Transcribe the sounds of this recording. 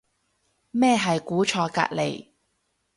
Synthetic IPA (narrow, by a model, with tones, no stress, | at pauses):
mɛː˥˧ɦɐ˨jkuː˨˥t͡ʃʰɔː˧ka̰ː˧t̚lḛ˨˩j